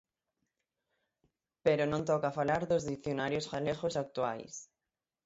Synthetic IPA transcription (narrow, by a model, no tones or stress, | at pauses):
peɾonõnt̪ɔkafalaɾðozðiθjonaɾjosfaleɣosak̚t̪ua̰js